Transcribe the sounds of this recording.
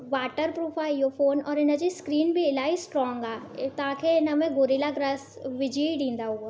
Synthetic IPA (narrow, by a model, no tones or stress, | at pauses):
ʋaːʈəɾpɾoːpʰaːɪofʰoːnɔːɾɪnə̆d͡ʑiskɾiːnbʱiɪlaːisʈɾɔːŋɡaːt̪ɐãːkʰeɪnəmẽɡoːɾilaɡɾaːs | ʋɪd͡ʑʱiɖĩːnd̪aɦʊɡo